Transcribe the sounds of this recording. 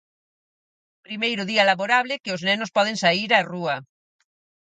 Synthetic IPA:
pɾimejɾoðialaβoɾaβlekeoznɛnospɔð̞ẽŋsaiɾaruɐ

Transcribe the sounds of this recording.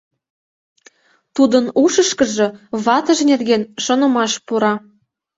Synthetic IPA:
t̪ud̪ənuʃəʃkə̆ʒɤ̆βɑt̪ə̆ʒnerɣenʃonɤ̆mɑʃpuɾɑ

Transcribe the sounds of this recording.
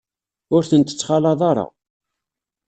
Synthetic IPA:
ʊɾθənt̪ə̥t͡sːχɑlɑðˤɑɾˤɑ̰

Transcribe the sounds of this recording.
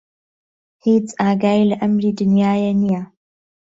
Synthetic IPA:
hit͡sʼaːɡaːilaʔɐmɾiːdʊnjaːjɐnɪja

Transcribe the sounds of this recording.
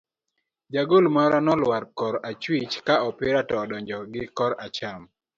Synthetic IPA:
d͡ʒaɡolmaɾanɔlwaɾkɔɾat͡ʃwit͡ʃkaɔpɪɾatɔːdɔɲd͡ʒɔɡɪkɔɾat͡ʃam

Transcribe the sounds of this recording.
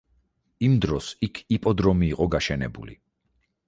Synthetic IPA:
imd̪ɾɔsikʰipʼɔd̪ɾɔmiːqʼɔɡaʃɛnɛ̰bṵlḭ

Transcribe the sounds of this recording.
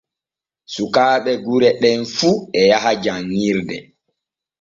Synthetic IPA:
sukaːɓɛɡuɾɛɗɛnfuɛjaɦad͡ʒaŋːiɾdɛ

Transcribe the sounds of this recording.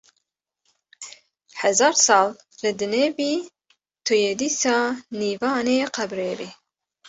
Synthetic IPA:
hɛzɑːɾsɑːl | lɨd̪ɨneːbiː | t̪ʰujed̪iːsɑːniːvɑːneːqæbɾeːbi

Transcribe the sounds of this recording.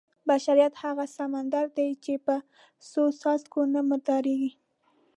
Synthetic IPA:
baʃaɾijat̪haɣasamand̪aɾd̪ajt͡ʃepə | sosɑst̪konamʊɾd̪ɑɾeɡi

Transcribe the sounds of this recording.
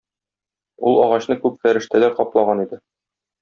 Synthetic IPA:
ulˠɒʁɑɕnɤkʉpfæɾɘ̆ʃt̪ælæɾqɒplˠɑʁɑnid̪ɘ

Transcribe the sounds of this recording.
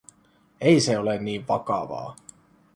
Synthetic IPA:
ejseolenːiːʋʋɑkɑʋɑ̰ː

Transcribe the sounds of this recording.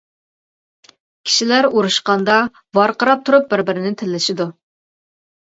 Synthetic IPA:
kʲʰi̥ʃilæɾuɾuʃqɑnd̪ɑ | vɑɾqʰəɾɑp̚t̪ʰuɾup̚bɪɾbɪɾɪnɪt̪ʰɪlːɪʃɪd̪u

